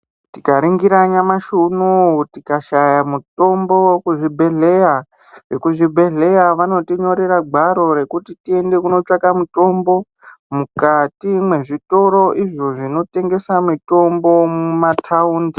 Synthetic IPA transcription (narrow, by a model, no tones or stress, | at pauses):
tikaɾiŋɡiɾaɲamaʃunutikaʃajamuto̞mbo̞wkuʐibʱe̞ɮeja | ʐekuʐibʱe̞ɮe̞jaʋano̞tiɲo̞ɾeɾaɡ͡bʱaɾo̞ɾe̞kutitie̞nde̞kuno̞t͡ʂakamuto̞mbo̞ | mukatimwe̞ʐito̞ɾo̞ʔiʐo̞ʐino̞te̞ŋɡe̞samito̞mbo̞mumatʰauːndi